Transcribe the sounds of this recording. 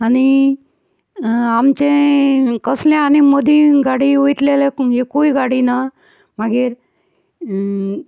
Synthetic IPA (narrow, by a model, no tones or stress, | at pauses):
ani | amt͡ɕekəslẽanimod̪ʱiɡaɽiujʈ̪leleɦekuiɡaɽina | maɡiɾ